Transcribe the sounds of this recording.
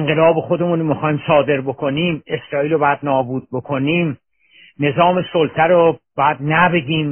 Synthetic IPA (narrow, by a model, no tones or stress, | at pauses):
eŋɢelɒːbexod̪e̞munomexɒːimsɒːd̪e̞ɾbokʰo̞niːme̞sɾɒːiːlobɒːjæd̪nɒːbuːd̪̚bokʰoniːm | ne̞zɒːme̞solt̪ʰæɾob̥ɒjæd̪næbe̞ɡʲiːm